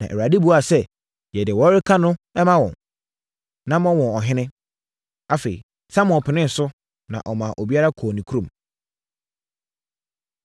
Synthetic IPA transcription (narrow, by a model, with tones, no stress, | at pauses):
nã̰˨ʔɛ̰˨wa˨di˦bu˦a˨sɛ˦ | jɛ˨dɪ˨wɔ˦ɾɪ˦kʰã˦nʊ̃˦ɛ˦mã˦wɔ̰̃˨n | nã˦mɔ̃˦wɔ̃˨ɔ˨ɦɪ̃˦nɪ̃˦ | a˨fe˨ḭ˨ | sã˦mʊ̃˨pʰɪ˨nɪ̃˦n̩˨sʊ˦ | nã̰˨ʔɔ˨mã˨ʔo˨bi˦a˦ɾa˦kʰɔː˨nĩ˨kʰu˦ɾõ˨m